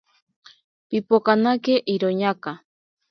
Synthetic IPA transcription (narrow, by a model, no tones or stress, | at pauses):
pipokanakeʔiɾoɲaka